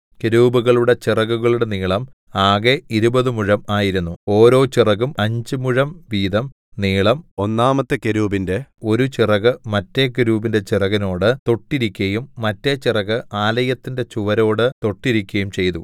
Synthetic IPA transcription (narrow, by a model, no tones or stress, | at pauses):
ke̞ɾuːbuɣɐɭuɽe̞t͡ɕirɐɣuɣɐɭuɽe̞niːɭɐm | aːɣe̞iɾubɐðɨmuɻɐmaːjiɾunːuo̞ːɾo̞ːt͡ɕirɐɣumɐɲd͡ʑɨmuɻɐmʋiːd̪ɐm | niːɭɐmo̞nːaːmɐt̪ːɨkeɾuːbinde̞o̞ɾut͡ɕirɐɣɨmɐtːe̞keɾuːbinde̞t͡ɕirɐɣɐno̞ːɽɨt̪o̞ʈːiɾikʲːɐjumːɐtːet͡ɕirɐɣɨʔaːlɐjɐt̪ːinde̞t͡ɕuʋɐɾo̞ːɽɨt̪o̞ʈːiɾikʲːɐjumt͡ɕe̞jt̪u